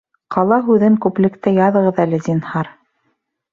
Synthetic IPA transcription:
qqɑlˠɑɦʉðɘŋkʉplɘ̆kt̪ɘjɑðɤ̆ʁɤ̆ðælɘd̪inhɑɾ

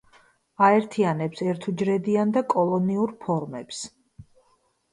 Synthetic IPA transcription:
aɛɾt̪ʰianɛpsɛɾt̪ʰud͡ʒɾɛd̪iand̪akʼɔlˠɔniuɾpʰɔɾmɛps

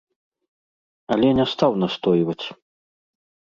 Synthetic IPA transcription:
ɐlʲɛnʲɛst̪awnast̪ɔjvɐt͡sʲ

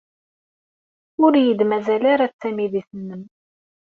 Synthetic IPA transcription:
ʊɾjəd̪mæzælaɾat͡sːæmiðiθənːəm

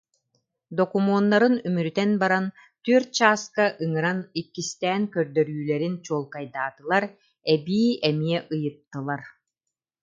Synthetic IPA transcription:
d̪ɔkumɔːnːaɾɯnymyɾyt̪ɛnbaɾan | t̪yœɾt͡ɕaːskaʔɯŋɯɾanikːist̪æːŋkœɾd̪œɾyːlɛɾint͡ɕuːlˠkajd̪aːt̪ɯlˠaɾ | ɛbiːɛmiɛʔɯjɯp̚t̪ːɯlˠaɾ

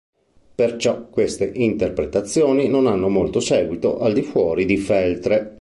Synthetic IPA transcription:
pert͡ʃɔkːwest̪eʔint̪erpɾet̪at̪sːjoːninonanːomolt̪osɛːɡwit̪o̰ʔald̪ifwɔːɾid̪ifɛlt̪ɾe

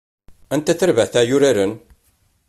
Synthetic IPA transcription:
ænt̪æθəɾvæθæjʊɾaɾən

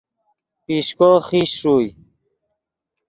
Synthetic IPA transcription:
piɕkoxiɕuːj

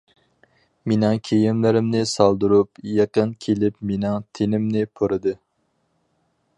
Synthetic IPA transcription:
menɪŋkʲʰejimlɪɾɪmnɪsɑlˠd̪uɾupjɑqənkʲʰelɪpmenɪŋt̪ʰenɪmnɪpʰoɾɨd̪ɨ

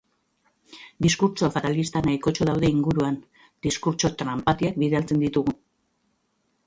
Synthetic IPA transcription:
d̪iskuɾt͡ʃo̞fat̪alist̪anajko̞t͡ʃo̞ðawðe̞iŋɡuɾuan | d̪iskuɾt͡ʃo̞t̪ɾampat̪iak̚biðealt͡se̞nd̪it̪uɣu

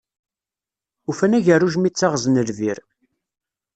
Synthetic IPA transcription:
ufænæʝərːuʒmit͡sːaʁznəlviɾ

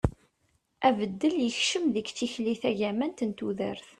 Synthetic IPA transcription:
ʔævəd̪ːəljəçʃəmðəɡt͡sːiçliθæʝæmænt̪ənt̪uðə̰ɾθ

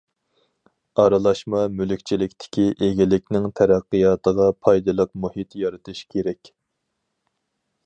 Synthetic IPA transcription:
ɑɾɨlˠɑʃmɑmylykʲt͡ʃʰilɪkʲt̪ʰɪ̥kʲiʔeɡʲilɪkʲnɪŋt̪ʰæɾæqːɨjɑːt̪ʰəʁɑpʰɑjd̪ɨlˠəqmuhit̪jɑɾɨt̪ʰɨʃkʲʰeɾɛkʲ

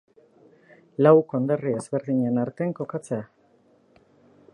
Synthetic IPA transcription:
lawko̞nd̪erie̞zβe̞ɾðiɲenaɾt̪eŋko̞kat͡se̞a

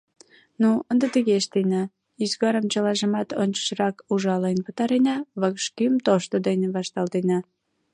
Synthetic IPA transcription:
nuənd̪ət̪əɣeʃt̪enɑ | yzɣɑɾəmt͡ɕəlɑʒə̆mɑt̪onʲt͡ɕə̥ʃrɑkuʒɑlenpə̆t̪ɑɾenɑβəkʃkymt̪oʃt̪od̪eneβɑʃt̪ɑlˠt̪enɑ

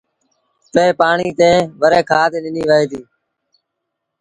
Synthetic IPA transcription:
p̪eːpaːɳiːt̪ẽːʋəɾeːkʰaːt̪eːɗɪniːʋəɦeːt̪iː

